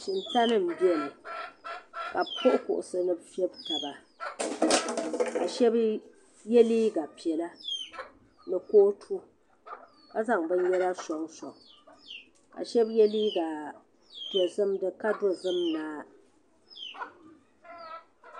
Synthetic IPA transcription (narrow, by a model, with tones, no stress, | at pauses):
ʃi˨nta˦nɨ˦˨m̩˨bi˦ɛ˨lɨ˨ | ka˨pʰo˦ʔʊ˦kʊ̰˨ʔʊ˨sɨ˦nɨ˨bfɛ˦bta˨ba˨ | ka̰˨ʃɛ˦b | jɛ˦liː˦ɡa˨pi˨ɛ˨la˦ | nɨ˨koː˦tʰu˦ | ka˦za˦˨ŋbɨ˦n˦jɛ˦la˦sɔ˨ŋsɔ˨ŋ | ka̰˨ʃɛ˦bjɛ˦liː˦ɡa˨ | ti˨ɛ˨zɨ˦mdɨ˦ka˦do˦zɨ˦mnaː˦